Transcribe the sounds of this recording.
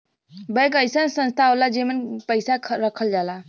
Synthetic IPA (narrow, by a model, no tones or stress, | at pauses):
bəjkəjsənsə̃nst̪ʰaolad͡ʒemənpəɪsaɾəkʰəld͡ʒala